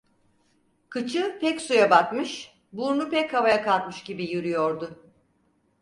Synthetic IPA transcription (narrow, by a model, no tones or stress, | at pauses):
kʰɯt͡ʃʰɯpʰɛcsujabat̪mɯʃ | buɾnupɛchavajakʰalˠt̪mɯʃɟibijyɾyjoɾd̪ʊ